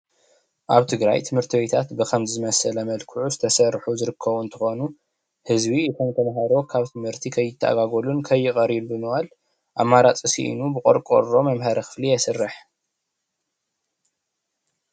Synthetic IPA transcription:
ʔaβt̪ʰɨɡɾa̰jt̪ʰɨmhɨɾt̪ʰiwet̪ʰat̪bɨkʰɐmzɨmɐsɐlɐmɐlkʰɨʕuzɨt̪ʰɐsɐrħuzɨɾɨkʰːɐβunt̪ʰɨxo̞nu | hɨzbijɛt̪ʰɐnt̪ʰɐnɦaɾo̞kʰaβt̪ʰɨmhɨɾt̪ʰikʰɐjːɪt̪ʰːɐʔa̰ɡaɡolunkʰɐjːɨkʼɐɾilbɨmɨβal | ʔamːaɾat͡sʼɨsḭʔḭnubɨkʼo̰ɾkʼo̰o̞mɐmɦɐɾɐxɨ̥flijɛsɨrːɨħ

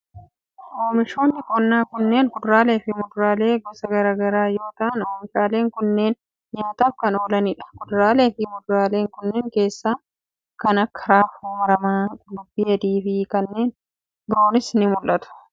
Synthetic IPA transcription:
ʔoːmɪʃo̞ːnːɪkɔnːaːkʊnːe̞ːŋkʊd̪ɾaːleːfɪmʊd̪ʊɾaːle̞ːɡɔsɐɡɐɾaːɡɐɾaːjo̞ːt̪ɐʔɐnoːmɪʃaːle̞ːŋkʊnːe̞ːn | jaːt̪aːfkɐno̞ːlɐnɪᶑɐ̥kʊd̪ɾaːleːfɪmʊd̪ɾaːle̞ːŋkʊnːeːŋke̞ːsːaː | kɐnɐkːɐ̥ɾaːfuːmɐɾɐmaːd̪ʊbːiːɐd̪iːfɪkɐnːe̞ːn | bɪɾo̞ːnɪsnɪmʊlʔɐt̪ʊ̥

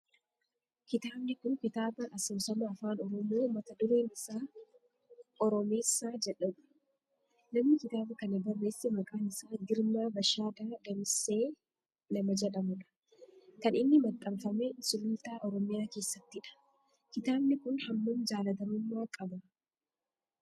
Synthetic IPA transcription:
kɪt̪aːbnɪkʊnkɪt̪aːbɐʔɐsoːsɐmaːfaːnɔɾɔmoːmɐt̪ɐd̪ʊɾeːnɪsaː | ɔɾɔme̞ːsːaːd͡ʒɛᶑɐᶑɐ̥ | nɐmnɪkɪt̪aːbɐkɐnɛbɐrːe̞ːsːɛmɐkʼaːnɪsaːɡɪɾmaːbɐʃaːd̪aːd̪ɐmɪsːeː | lɐmɐd͡ʒɛᶑɐmʊᶑɐ̥ | kɐnɪnːɪmɐkʼɐbfɐmesʊlʊnt̪aːʔɔɾɔmɪjaːke̞ːsːɐt̪ːɪᶑɐ̥ | kɪt̪aːbnɪkʊnhɐmːʊnd͡ʒaːlɐd̪ɐmʊmːaːkʼɐbɐ

